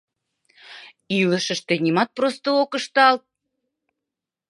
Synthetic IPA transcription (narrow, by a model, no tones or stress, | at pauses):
iləʃə̆ʃt̪enʲimɑt̪̚prost̪ookɤ̆ʃt̪ɑlt̪̚